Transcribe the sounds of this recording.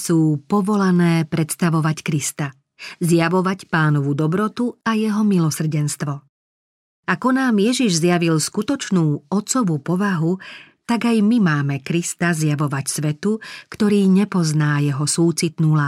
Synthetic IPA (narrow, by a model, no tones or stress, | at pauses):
suːpɔʋɔlanɛːpɾɛt̪st̪aʋɔʋackɾist̪a | zjaʋɔʋacpaːnɔʋud̪ɔbɾɔt̪uajɛɦɔmilɔsr̩ɟɛnst̪ʋɔ | akɔnaːmjɛʒiʒzjaʋilskut̪ɔt͡ʃnuːɔt̪t͡sɔʋupɔʋaɦut̪aɡajmimaːmɛkɾist̪azjaʋɔʋacsʋɛt̪ukt̪ɔɾiːɲɛpɔznaːjɛɦɔsuːt͡sit̪nuːlaː